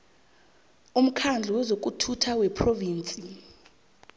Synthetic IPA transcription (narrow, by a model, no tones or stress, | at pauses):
um̩kʰand͡ɮʱuwɛzok̬ʼutʰutʰawɛpʰroviːnt͡sʼi